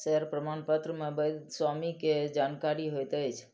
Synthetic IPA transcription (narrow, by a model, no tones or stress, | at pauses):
səəɾpɾəmanpət̪ɾəmẽbəj̪swamiked͡ʒankaɾiɦojt̪əjt͡ʃʰ